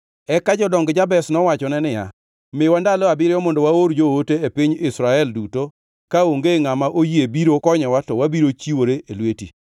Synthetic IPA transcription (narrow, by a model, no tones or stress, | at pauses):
ɛkad͡ʒɔdɔŋɡd͡ʒabɛsnɔwat͡ʃɔnɛnɪja̰ | mɪwandalɔabɪɾɪjɔmɔndowaoɾd͡ʒooteepɪɲɪsɾaɛlduto | kaoŋɡeŋamaʔojiebiɾokɔɲɛwatɔwabiɾot͡ʃiwoɾeʔelwetḭ